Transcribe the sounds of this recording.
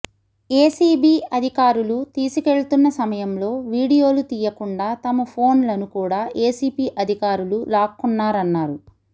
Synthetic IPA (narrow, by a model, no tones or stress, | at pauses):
eːsiːbiːɐd̪ʱikaːɾulut̪iːsike̞ɭut̪unːɐsɐmɐjɐmlo̞ːʋiːɽijo̞ːlut̪iːjɐkuɳɖaːt̪ɐmɐpʰo̞ːnlɐnukuːɽaːʔeːsiːpiːʔɐd̪ʱikaːɾululaːkunːaːɾɐnːaːɾu